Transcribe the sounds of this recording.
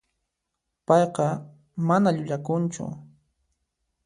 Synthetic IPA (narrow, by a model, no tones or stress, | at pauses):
pɑjqɑ | manaʎʊʎakʊnt͡ʃʊ̰